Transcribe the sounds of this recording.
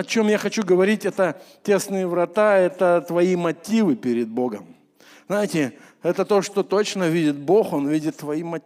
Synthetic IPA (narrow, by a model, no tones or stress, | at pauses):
ɐt͡ɕo̞mjaxɐt͡ɕuɡəvɐɾʲit̚ʲɛt̪ətʲe̞snɨjɪvɾɐt̪aɛt̪ət̪vɐimɐtʲivɨpʲɪɾʲɪd̪̚bo̞ɡəm | znajɪtʲɪ | ɛt̪ət̪o̞ʂt̪o̞t̪o̞t͡ɕnəvʲidʲɪt̪̚bo̞xo̞nvʲidʲɪt̪ːvɐimɐ